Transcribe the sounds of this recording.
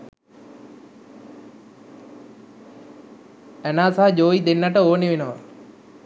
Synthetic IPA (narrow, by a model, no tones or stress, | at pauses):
ɛnaːsaɦd͡ʒoːid̪enːəʈəoːneʋenəʋə